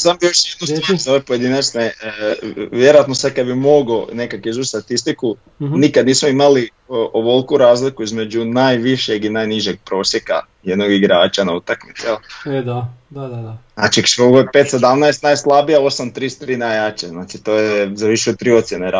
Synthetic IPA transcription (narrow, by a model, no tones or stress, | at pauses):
sambioʃjed̪nust̪ozoʋepojed̪inat͡ʃne | ʋje̞ɾojat̪nosad̪̚kad̪bimo̞ɡonekakizut͡ʃst̪at̪ist̪iku | nikad̪niːsmoimali | ʔoʋolˠkuɾaːzlikuizme̞d͡ʒunajʋiʃjeɡinajniʒeɡ̚pɾo̞ːsjeka̰ | jed̪noɡiɡɾaːt͡ʃanaut̪akmit̪sijeld̪ad̪adaaat͡ʃiksoɡope̞t̪se̞d̪amnajst̪najslˠabijao̞samt̪ɾist̪ɾiːnajaːt͡ʃeznaːt͡ʃit̪oːjezaʋiʃɛot̪ɾiːo̞t̪sjeneɾa